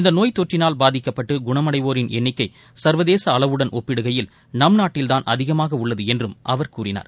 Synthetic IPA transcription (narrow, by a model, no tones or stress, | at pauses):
ɪnd̪ɐnoːjt̪ːɔʈrɪnaːlbaːðɪkːɐpːɐʈːɯɡʊɳɐmɐɽɐɪʋoːɾɪnɛnːɪkːɐɪ | sɐɾʋɐðeːsɐːɭɐʋɯɽɐnʔɔpːɪɽɯɣɐjɪl | nɐmnaːʈːɪlt̪aːnʔɐ̰ðɪɣɐmaːɣɐʊɭːɐðɯɛndrɯmʔɐʋɐɾkuːɾɪna̰ːɾ